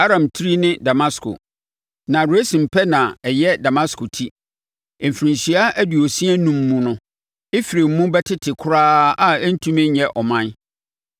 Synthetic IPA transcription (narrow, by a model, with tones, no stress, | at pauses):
a˦ɾã˨mtʰi˦ɾi˦nɪ̃˦da˨ma˦skʰo̰˨ | nã˨ɾu˨æ˦sĩ˨m̩˨pʰɛ˦nã˨ɛ˨jɛ˦da˨mã˦skʰo˨tʰi˦ | e˨m̩˨fɾĩ˨ɲɕi˨a˦ʔæ˦du˨o˨si˦ɛ˦nũ˨mːũ˦nʊ̃˦ | e˦fɾe˨m˦mũ˦bɛ˦tʰɪ˦tʰɪ˨kʰʊ˦ɾaː˦a˦ɛ˦n̩˦tʰũ˦mɛ̃˦ɲɛ˨ʔɔ˨mã˦n